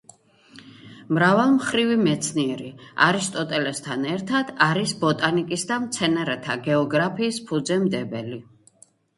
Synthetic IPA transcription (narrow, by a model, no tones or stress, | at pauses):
mɾavalˠmχɾivimɛt̪sʰniɛɾia̰ɾist̪ʼɔt̪ʼɛlɛst̪ʰanɛɾt̪ʰad̪̥aɾisbɔt̪ʼanikʼisd̪amt̪sʰɛnaɾɛt̪ʰaɡɛɔɡɾapʰiːspʰud̪zɛmd̪ɛbɛli